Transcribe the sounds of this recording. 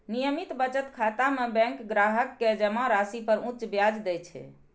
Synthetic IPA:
nijəmit̪bət͡ʃət̪kʰat̪amebɛ̃ŋkɡɾaɦəkːed͡ʒəmaɾasipəɾũt͡ʃbjad͡ʒd̪ɛt͡ʃʰɛ̰

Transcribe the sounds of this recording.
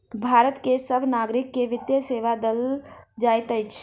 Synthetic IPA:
bʱaɾət̪kesəbʱnaɡɾikːeʋɪd̪jəseʋad̪əld͡ʒajt̪əjt͡ʃʰ

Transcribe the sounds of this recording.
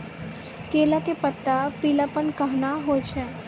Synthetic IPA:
keːlakepət̪ːapiːlapənkɐɦnaɦot͡ʃʰɛ

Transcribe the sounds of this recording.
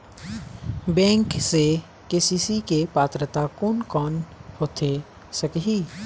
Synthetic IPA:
bɛ̃ːŋkse | keːsiːsikepaːt̪ɾət̪akʊnkɔːnhoːt̪ʰe | səkɦiː

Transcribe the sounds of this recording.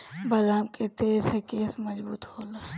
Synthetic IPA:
bɐlaːmket̪eːɾsekeːsmɐzbṵːt̪hoːlaː

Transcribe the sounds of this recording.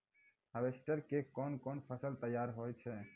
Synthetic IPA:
əbesʈəɾkekɔnkɔnpʰəsəlt̪əjaɾɦojt͡ʃʰɛ

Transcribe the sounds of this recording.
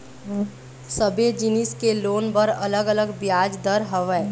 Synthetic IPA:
səbed͡ʒɪnɪskeloːnbəɾələɡələɡbjaːd͡ʒd̪əɾɦəʋɛː

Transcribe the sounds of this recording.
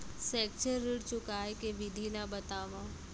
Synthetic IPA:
sɛːk̚t͡ʃəɾːɪɽt͡ʃʊkaːekeʋɪd̪ʱilabɐt̪aːʋã

